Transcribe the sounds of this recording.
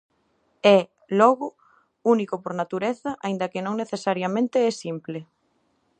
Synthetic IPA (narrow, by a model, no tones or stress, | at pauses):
ɛ | lɔɣʊ | unikopoɾnat̪uɾeθɐʔaĩnd̪ɐkɪnõŋneθesaɾjamẽnt̪ɪɛsimple